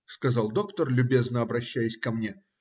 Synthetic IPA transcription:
skɐzɑlˠd̪o̞kt̪ərlʲʊbʲe̞znəɐbɾɐɕːæjɪsʲkɐmnʲe

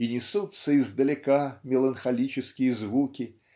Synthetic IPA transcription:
inʲɪsut̪səizd̪əlʲɪkamʲɪlˠənxɐlʲit͡ɕɪskʲɪjəzvukʲɪ

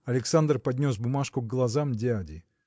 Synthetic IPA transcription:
ɐlʲɪksand̪rpɐdʲnʲo̞s̬bʊmaʂkʊɡːlˠɐzamdʲadʲɪ

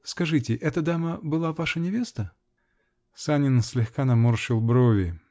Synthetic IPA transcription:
skɐʐɨtʲɪʔɛt̪əd̪aməbɨlˠavaʂənʲɪvʲe̞st̪ə | sanʲɪnsʲlʲɪxkanɐmorʂɪlˠbɾovʲɪ

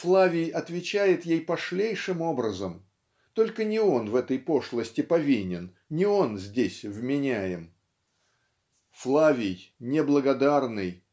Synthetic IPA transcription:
flˠavʲɪjɐt̪vʲɪt͡ɕæjɪt̪jejpɐʂlʲejʂɨmo̞bɾəzəm | t̪o̞lʲkənʲɪo̞nvɛt̪əjpo̞ʂlˠəsʲtʲɪpɐvʲinʲɪn | nʲɪo̞nzʲdʲesʲvmʲɪnʲæjɪm | flˠavʲɪjnʲɪblˠəɡɐd̪arnɨj

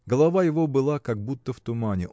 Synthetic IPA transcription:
ɡəlˠɐvajɪvo̞bɨlˠakɐɡ̚but̪ːəft̪ʊmanʲɪ

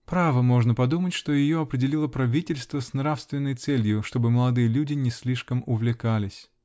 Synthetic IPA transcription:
pɾavəmo̞ʐnəpɐd̪umətʲʂt̪o̞jɪjoɐpɾʲɪdʲɪlʲilˠəpɾɐvʲitʲɪlʲst̪vəsnɾafst̪vʲɪnːəjt̪sɛlʲjʊʂt̪o̞bɨməlˠɐd̪ɨjəlʲudʲɪnʲɪsʲlʲiʂkəmʊvlʲɪkalʲɪsʲ

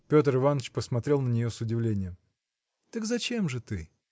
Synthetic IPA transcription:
pʲo̞t̪̬əɾɨvanət͡ɕpəsmɐt̪ɾʲe̞lˠnənʲɪjosʊdʲɪvlʲenʲɪjəm | t̪əkzɐt͡ɕe̞mʐɨt̪ɨ

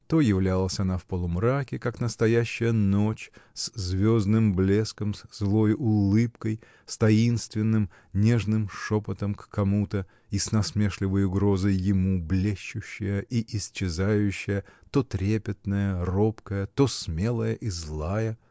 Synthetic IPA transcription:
t̪o̞jɪvlʲalˠəsʲɐnafpəlˠʊmɾakʲɪkaknəst̪ɐjæɕːɪjəno̞t͡ɕszvʲo̞znɨmblʲe̞skəmszlˠo̞jʊlˠɨpkəj | st̪ɐinst̪vʲɪnːɨm | nʲeʐnɨmʂopət̪əmkkɐmut̪ə | isnɐsmʲeʂlʲɪvəjʊɡɾo̞zəjːɪmublʲeɕːʊɕːɪjəʔiʔɪsʲt͡ɕɪzajʉɕːɪjət̪o̞t̪ɾʲepʲɪt̪nəjəro̞pkəjət̪o̞smʲe̞lˠəjəʔizlˠajə

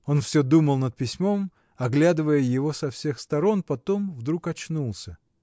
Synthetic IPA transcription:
o̞nfsʲɵd̪uməlˠnət̪̚pʲɪsʲmo̞m | ɐɡlʲad̪ɨvəjəjɪvo̞sɐfsʲe̞xst̪ɐɾo̞npɐt̪o̞mvd̪ɾukɐt͡ɕnulˠsʲə

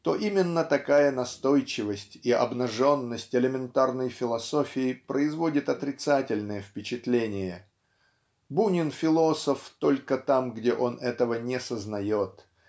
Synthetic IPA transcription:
t̪o̞ʔimʲɪnːət̪ɐkajənɐst̪o̞jt͡ɕɪvəsʲtʲiʔɐ̰bnɐʐo̞nːəsʲtʲɪlʲɪmʲɪnt̪arnəjfʲɪlˠɐso̞fʲɪɪpɾəɪzvo̞dʲɪt̪ɐt̪ɾʲɪt̪satʲɪlʲnəjəfpʲɪt͡ɕɪt̪lʲenʲɪjə | bunʲɪnfʲɪlˠo̞səft̪o̞lʲkət̪amɡdʲeʔo̞nʔɛt̪əvənʲɪsəznɐjo̞t̪

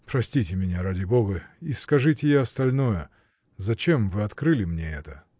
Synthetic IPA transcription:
pɾɐsʲtʲitʲɪmʲɪnʲaɾadʲɪboɡəiskɐʐɨtʲɪjaɐst̪ɐlʲnojə | zɐt͡ɕemvɨɐt̪kɾɨlʲɪmnʲeɛt̪ə

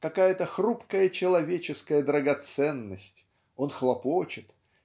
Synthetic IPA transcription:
kɐkajət̪əxrupkəjət͡ɕɪlˠɐvʲet͡ɕɪskəjəd̪ɾəɡɐt̪sɛnːəsʲtʲ | o̞nxlˠɐpot͡ɕɪt̪

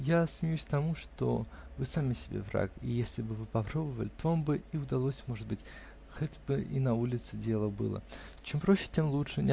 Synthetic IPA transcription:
jasmʲɪjʉsʲkt̪ɐmuʂt̪o̞̰vɨsamʲɪsʲɪbʲḛvra̰kḭjesʲlʲɪbɨvɨpɐpɾo̞bəvəlʲɪt̪ovambɨiʊd̪ɐlˠosʲmo̞ʐɨd̪̚bɨtʲ | xotʲbɨʔinɐulʲɪt̪sɨdʲe̞lˠəbɨ̰lˠə̰t͡ɕempɾoɕːɪ̥tʲemlˠutʂɨnʲɪ

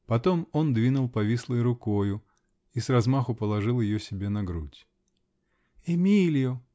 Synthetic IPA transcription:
pɐt̪o̞mo̞nd̪vʲinʊlˠpɐvʲislˠəjɾʊko̞jʊ | isrɐzmaxʊpəlˠɐʐɨlˠjɪjosʲɪbʲe̞nɐɡɾutʲ | ɛmʲilʲjʊ

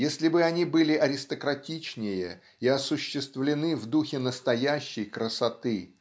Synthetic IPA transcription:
jesʲlʲɪbɨɐnʲibɨlʲɪʔɐɾʲɪst̪əkɾɐtʲit͡ɕnʲɪjə | iɐsʊɕːɪst̪vlʲɪnɨvd̪uxʲɪnəst̪ɐjæɕːɪjkɾəsɐt̪ɨ

